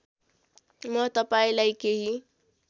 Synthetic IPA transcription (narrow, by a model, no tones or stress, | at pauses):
mʌt̪ʌpaĩlajkeɦi